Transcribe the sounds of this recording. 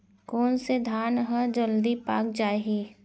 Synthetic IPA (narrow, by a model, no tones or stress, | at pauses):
kɔːnsed̪ʱaːnɦəd͡ʒəld̪ipa̰ːkd͡ʒaːeɦiː